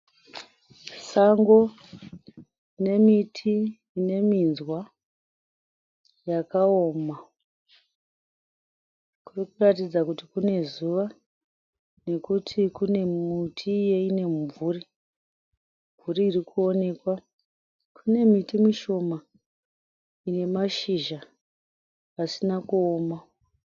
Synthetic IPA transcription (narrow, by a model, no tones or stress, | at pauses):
saŋɡo̞ | ine̞mitʰiː | ne̞minzwa | jakaoːma | kurikuratid͡zakutikune̞zuʋa | ne̞kutʰikune̞mutʰijeine̞muɱvuri | ɱvuɾiːrikʰuo̞ne̞kwa | kʰune̞mitimiʃo̞ma | ine̞maʃiʒa | asinakuoːma